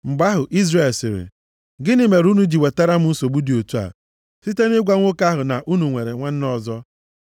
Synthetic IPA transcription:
ŋ͡m̩˨ɡ͡ba˦ɦʊ˨ʔi˦zɾe˨lsɪ˨ɾɪ̰˨ | ɡɪ˦nɪ˦me˨ɾu˦nu˦d͡ʒi˨we˨ta˦ɾa˦m̩˦n̩˦so˨ɡ͡bu˦di˨o˨tu˦a̰˨ | si˦te˦nɪ˦ɡʷa˦ŋʷʊ˦ka˦ɦʊ˨na˨ʔu˦nu˨ŋʷe˨ɾe˨ŋʷa˦n̩˦nɔ˦˨zɔ˦

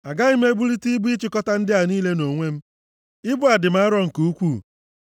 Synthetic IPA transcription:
a˨ɡa˦ɪ˦m̩˦e˦bu˦ɾi˦ti˦bu˦i˦t͡ʃɪ˨kɔ˦ta˦n̩˦dɪ˦a˨niː˦le˦no˨ŋʷe˦m̩˦ | ɪ˦bʊ˦a˨dɪ˨m̩˦a˦ɾɔ˦ŋ̩˨ku˦kʷu˦˨

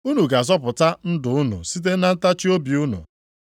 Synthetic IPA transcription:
u˦nu˨ɡa˨zɔ˦pʊ˨ta˦n̩˦dʊ˨ʊ˦nṵ˨si˦t̬e˦na˦n̩˦ta˦t͡ʃi˦o˦bi˨u˦nṵ˨

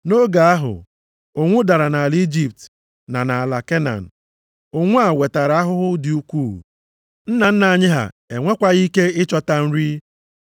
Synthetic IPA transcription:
no˦ɡa˨a˦ɦʊ̰˨ | o˨ŋʷʊ˦da˨ɾa˨na˨li˦d͡ʒi˨p̚t | na˨na˨a˨la˨ke˦na̰˨n̩˨ | o˦ŋʷʊ˦a˨we˨ta˨ɾa˨a˦ɦʊ˦ɦʊ˦dɪ˨u˦kʷuː˦˨ | n̩˦na˨n̩˦na˨a˨ɲɪ˦ɦa̰˨ | e˨ŋʷe˦kʷa˦ɣi˦ke˦ɪ˦t͡ʃɔ˦ta˨n̩˦ɾi˦

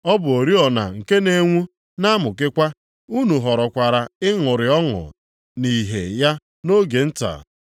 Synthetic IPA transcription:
ɔ˦bʊ˨o˨ɾi˦ɔ˨na̰˨ŋ̩˨ke˦ne˨ŋʷu˦ | na˦mʊ˨k̬ɪ˦kʷa˦ | u˦nu˨ɦɔ˨ɾɔ˨kʷa˨ɾa˨ɪ˦ŋʊ˨ɾɪ˨ɔ˦ŋʊ̰˨ | ni˨ɦḛ˨ja˦ | no˦ɡe˨n̩˦ta̰˨

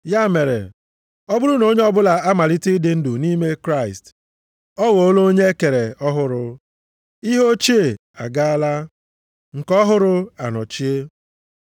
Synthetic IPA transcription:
ja˦me˨ɾḛ˨ | ɔ˦bʊ˦ɾʊ˦no˦ɲe˦ɔ˦bʊ˦la˨a˦ma˨li˦ti˦i˦dɪ˦n̩˦dʊ˨ni˦me˦kɾa˦˨ɪ˨st | ɔ˦wo˨o˦lo˦ɲe˦ke˨ɾe˨ɔ˦ɦʊ˦ɾʊ˦ | i˦ɦo˦t͡ʃi˦e˨ | a̰˨ɡa˦a˦la˦ | ŋ̩˨kɔ˦ɦʊ˦ɾʊ˦a˨nɔ˨t͡ʃi˦e˦

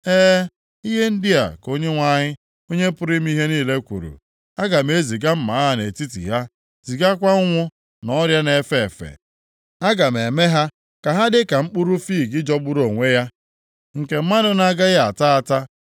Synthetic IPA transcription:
eː˦ | i˦ɦe˦n̩˦di˦a̰˨ko˦ɲe˦ŋʷa˦ɲɪ˦ | o˦ɲe˦pʊ˦ɾɪ˦m˦i˦ɦe˦niː˦˨le˦kʷṵ˨ɾṵ˨ | a˦ɡa˨me˦zi˨ɡa˦m̩˦ma˨˦ɦa˦ne˨ti˦tḭ˨ɦa˦ | z̥i˨ɡa˦kʷa˦ʊ˦ŋʷʊ˦ | nɔ˦ɾja˦ne˨fe˦˨fḛ˨ | a˦ɡa˨m˨e˨me˦ɦa˦ | ka˨ɦa˦dɪ˦ka˨m̩˦k͡pʊ˦ɾu˦fiː˦˨ɡɪ˦d͡ʒɔ˦ɡ͡bʊ˦ɾo˨ŋʷe˦ja˦ | ŋ̩˨ke˨m̩˦ma˦dʊ˦na˦ɡa˦ɣa˨ta˦a˨ta˦

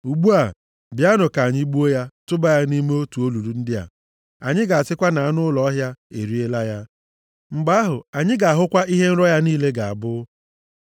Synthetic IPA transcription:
u˨ɡ͡bu˦a˨ | bja˦nʊ˨ka˨ɲɪ˦ɡ͡bu˦o˦ja˦tʊ˦ba˦ja˦ni˦me˦o˦tu˨o˦lu˨ɾu˦n̩˦dɪ˦a̰˨ | a˨ɲɪ˦ɡa˨a˨sɪ˦kʷa˦na˨a˦nʊ˦lɔ˦ɦja˦ḛ˨ɾi˦e˦la˦ja˦ | ŋ͡m̩˨ɡ͡ba˦ɦʊ˨a˨ɲɪ˦ɡa˨a˨ɦʊ˦kʷa˦i˦ɦe˦n̩˦ɾɔ˦ja˦niː˦le˦ɡa˨a̰˨bʊ˦

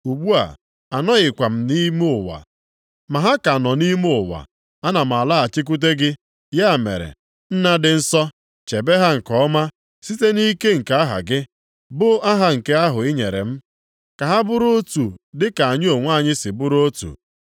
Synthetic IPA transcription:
u˨ɡ͡bu˦a̰˨ | a˨nɔ˦ɣɪ˨kʷa˨m̩˨ni˦m˦ʊ˨wa̰˨ | ma˨ɦa˦ka˨nɔ˨ni˦m˦ʊ˨wa̰˨ | a˦na˨m̩˨a˨la˦˨t͡ʃɪ˦k̬u˦t̬e˦ɡɪ˦ | ja˦˨mḛ˨ɾḛ˨ | n̩˦na˦dɪ˨n̩˦sɔ˦ | t͡ʃe˨be˦ɦa˦ŋ̩˨kɔ˦ma˦ | si˦te˦ni˦ke˦ŋ̩˨ka˦a˦ɦa̰˨ɡɪ˦ | bʊ˦a˦ɦa˨ŋ̩˨ke˦a˦ɦʊ˨ɪ˦ɲe˨ɾḛ˨m̩˦ | ka˨ɦa˦bʊ˦ɾo˦tu˨dɪ˦ka˨a˨ɲɪ˦o˨ŋʷa˦˨ɲɪ˦sɪ˨bʊ˦ɾo˦tṵ˨

